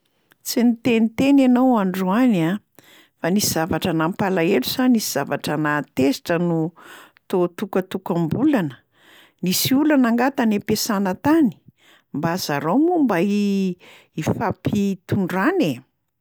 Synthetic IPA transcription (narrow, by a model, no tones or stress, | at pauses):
t͡sinit̪enit̪enanowaɳɖ͡ʐuana | fanisiz̥avaʈ͡ʂənampalaelusannisiz̥avaʈ͡ʂənat̪esi̥ʈ͡ʂənut̪ot̪ukət̪ukambulanə̥ | nisiulanaŋɡat̪anepesanət̪ani̥ | mbazaɾomumbai | ifapit̪uɳɖ͡ʐane